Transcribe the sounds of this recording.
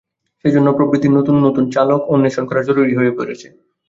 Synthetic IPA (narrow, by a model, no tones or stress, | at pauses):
ʃed͡ʑonːopɾobɾit̪inot̪unːot̪unt͡ɕalokonːiʃɔŋkʰoɾad͡ʑoɾuɾiɦoepoɾet͡ɕʰe̥